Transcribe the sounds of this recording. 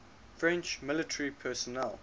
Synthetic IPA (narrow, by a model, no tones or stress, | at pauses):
fɹɛ̃nt͡ʃmɪlɪtʰəɹipʰɛːsɔnɛl